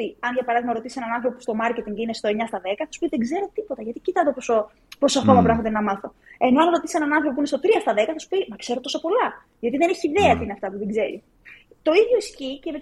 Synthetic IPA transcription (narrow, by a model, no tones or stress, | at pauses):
iɐnʝɐpɐɾɐðiɣmɐɾo̞t̪isenɐnɐnθɾopopu̥st̪o̞mɐɾce̞t̪iŋɲceine̞st̪oe̞ɲɐst̪ɐðe̞kɐθɐsu̥piðe̞ɡze̞ɾo̞t̪ipo̞t̪ɐʝɐt̪icit̪ɐt̪oposo | posoɐko̞mɐpɾɐxot̪enɐmɐθo̞ | e̞no̞ɐnɾo̞t̪isenɐnɐnθɾopopinest̪o̞t̪ɾiɐst̪ɐðe̞kɐθɐsu̥pimɐkse̞ɾot̪osɐpo̞lɐ | ʝɐt̪iðeneçiːðe̞ɐt̪iineɐft̪ɐpuðeɡze̞ɾḭ | t̪o̞iðʝo̞iscice̞met̪